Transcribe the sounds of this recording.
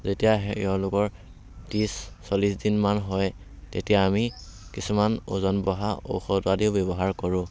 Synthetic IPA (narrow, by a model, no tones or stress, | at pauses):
zetijaɦɛɛ̰ɔlʊkɔɹ | disː | olisdinmanɦɔj | tetijaːmikisumano̰zɔnbɔɦao̰wxɔtadiʊbɛbɔɦaɹkɔɹʊ̃